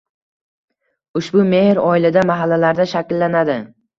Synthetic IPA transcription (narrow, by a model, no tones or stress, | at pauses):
ʊʃbʊmehɾɒɪlad̪amaɦalːalaɾd̪aʃakʲlːanad̪ɪ